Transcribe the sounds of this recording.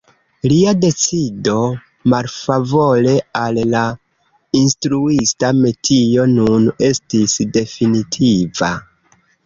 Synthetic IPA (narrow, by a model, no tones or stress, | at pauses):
liade̞t͡sido̞ | malfavo̞le̞alːa | instɾuistame̞tʰio̞nune̞stisde̞finitʰiva